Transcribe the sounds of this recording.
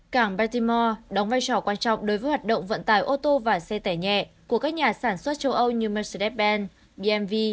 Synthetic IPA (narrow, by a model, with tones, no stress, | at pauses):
kaː˧˩ŋɓaː˧t̪i˧mɔ˧ɗɔ˨˦wŋ͡mvaː˧jt͡ɕɔ˧˩kwaː˧nt͡ɕɔ̰˧˨wŋ͡mɗo˨˦jvəː˨˦jhwaː˨˩t̚ɗə̰˧˨ŋ͡mvə̰˧˨nt̪a̰ː˧˩jʔo˧t̪o˧vaː˨˩sɛ˧t̪aː˧˩ɲɛ̰˧˨ku˧˩əkaː˦˥k̚ɲaː˨˩saː˧˩nswə˦˥t̚t͡ɕə˧wʔə˧wɲɨ˧mɛ˧si˧tɛ˦˥t̚ɓɛ˧n | ɓi˧ʔɛ˧mvi˧